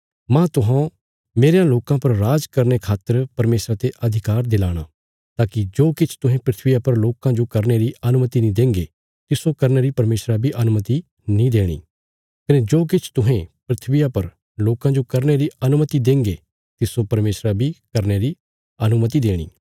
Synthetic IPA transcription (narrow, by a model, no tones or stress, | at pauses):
mɛ̃t̪ʊɦã | meːɾejãloːkãpɐɾɾaːd͡ʒkɐɾnekʰaːt̪əɾpɐɾmeːsɾat̪eʔɐd̪ʱɪkaːɾd̪ɪlaːɽ̃a̰ | t̪aːkid͡ʒoːkɪt͡ʃʰt̪ʊɦẽpɾɪt̪ʰʋɪjapɐɾloːkãd͡ʒokɐɾneɾiɐnʊmət̪inĩd̪ẽːŋɡe | t̪ɪsokɐɾneɾipɐɾmeːsɾabʱiʔɐnʊmət̪i | nĩd̪eːɽ̃ḭː | kɐned͡ʒoːk̬ɪt͡ʃʰt̪ʊɦẽpɾɪt̪ʰʋɪjapɐɾ | loːkãd͡ʒokɐɾneɾiɐnʊmət̪id̪ẽːŋɡe | t̪ɪsopɐɾmeːsɾabʱikɐɾneɾi | ɐnʊmət̪̬id̪eːɽ̃ḭː